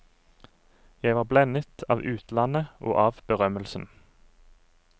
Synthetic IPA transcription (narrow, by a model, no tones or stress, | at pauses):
jæɪʋɑːblɛnət̪ʰɑ̰ːʋʉːt̪ʰlɑnəʔo̰ːʔɑːʋbəʁœməlsn̩